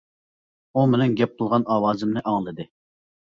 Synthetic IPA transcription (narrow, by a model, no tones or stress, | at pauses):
umɪnɛŋɡʲɛp̚qʊlˠʁɑnɑːwɑːzɪmnɪʔɑŋlˠɨd̪ɨ